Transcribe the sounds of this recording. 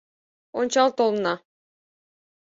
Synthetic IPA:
onʲt͡ɕɑlˠt̪olˠnɑ

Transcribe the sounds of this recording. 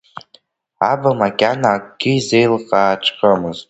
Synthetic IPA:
abamakʲʼanaːkʼɡʲɪize̞jlqʼaːʈ͡ʂʰʼqʼəmɨztʼ

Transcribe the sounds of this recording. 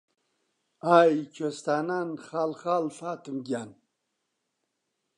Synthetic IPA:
ajt͡ɕʰost̪ananχalχalfaːt̪umɡʲan

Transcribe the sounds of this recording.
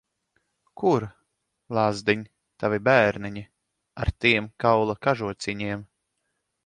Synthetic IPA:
kʰuɾ | lˠazd̪iɲ | t̪avʲibæːɾniɲi | a̰ɾt̪iɛmkawlˠakaʒuɔt̪sʲiɲiɛm

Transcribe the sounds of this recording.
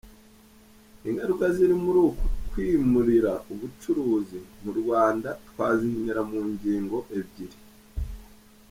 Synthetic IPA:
iŋɡaɾukaziɾimuɾuːku̥kwiːmuɾiɾauβut͡ʃuɾuːzimuɾɡwaːndatwaːzinineɾamuːɲɟiːŋɡo̞ʔe̞bɟiɾi

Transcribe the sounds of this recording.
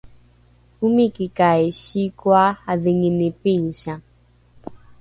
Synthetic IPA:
umikikaeʃikwaaðiŋinipinʃa

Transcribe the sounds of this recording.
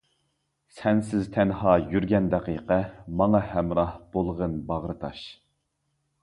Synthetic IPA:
sɛnsɪzt̪ʰɛnhɑːjyɾɡʲɛnd̪ɛqiqɛmɑŋɑhæmɾɑhb̥olˠʁənbɑʁɾɨt̪ʰɑʃ

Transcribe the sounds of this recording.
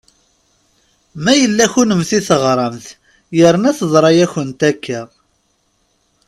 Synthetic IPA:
mæjəlːæçunəmθiθəʁɾˤɑmθ | jəɾənæθəzˤɾˤɑjæçənt̪ækʰːə

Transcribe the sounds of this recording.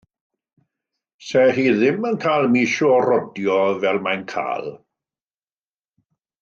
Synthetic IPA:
sɛːɦiːðɪmənkʰaːlˠmiːʃoːrɔdjɔvɛlˠmajnkʰa̰ːlˠ

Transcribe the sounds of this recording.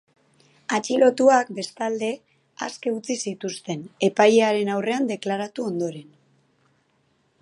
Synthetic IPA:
at͡ʃilo̞t̪uakbe̞st̪ald̪e̞ | a̰ske̞ut͡sisit̪ust̪e̞ne̞pajeaɾe̞nawre̞and̪e̞klaɾat̪uo̞nd̪o̞ɾe̞n

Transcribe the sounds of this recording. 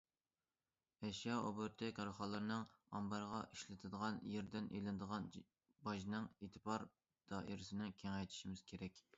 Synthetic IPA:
ɛʃjɑo̰bʊɾt̪ʰɪkʲɾχɑlˠːɨɾnɨŋɑmbɑɾʁɑʔiʃlɪt̪ʰɨd̪əʁɑnjeɾd̪ɪnʔḛlɪnd̪əʁɑn | bɑʒnɨŋet̪ʰɨpʰɑɾ | d̪̥ɑʔḭɾɪsɪnɪkʲʰeŋɛjt̪ʰi̥ʃimɪz̥kʲʰeɾɛkʲ

